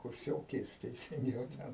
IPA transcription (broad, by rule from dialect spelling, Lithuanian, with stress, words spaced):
kʊrʲˈsʲoːkʲeːs tʲɛɪsʲɪŋʲˈɡʲɛʊ ˈtʲɛn